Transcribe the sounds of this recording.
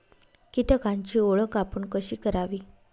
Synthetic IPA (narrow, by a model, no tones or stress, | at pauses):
kit̪əkaɲt͡ɕiːoɭəkapəɳkəɕiːkəɾaʋiː